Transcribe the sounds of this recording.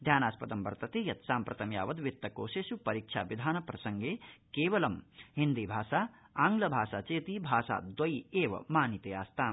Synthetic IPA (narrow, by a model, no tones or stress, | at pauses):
d̪ʱjaːnaːspɐd̪ɐmbɐɾt̪ɐt̪eːjɐt̪saːmpɾɐt̪ɐmja̰ːʋɐd̪ʋit̪ːɐkoːʃeːsupɐɾiːkʂʰa̰ːʋid̪ʱaːnɐpɾɐsɐŋɡeːkeːʋɐlɐmɦind̪iːbʱaːʃaː | aːŋɡlɐbʱaːʃaːt͡ʃeːt̪iːbʱaːsa̰ːd̪wɐjeːʋɐ̰maːnit̪eaːst̪ʰaːm